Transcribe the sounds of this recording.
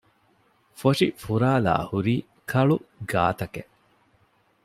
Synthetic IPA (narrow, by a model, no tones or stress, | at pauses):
foʂḭfuɾaːla̰ːhuɾiː | kʰɐɭuɡa̰ːt̪ɐke